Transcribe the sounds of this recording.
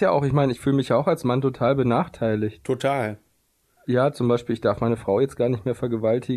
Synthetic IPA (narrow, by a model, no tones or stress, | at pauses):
jaːʔa̰ʊxɪçmaɪnəɪçfyːləmɪçjaːaʊxalsmantʰotʰaːlbənaːχtʰaɪlɪçttʰotʰaːl | jaːt͡sʊmbaɪʃpiːlɪçd̥aɐfmaɪnəfʁ̥aʊjɛt͡stɡ̥aːɐnɪçtmeːɐfɛɐɡəvaltʰɪ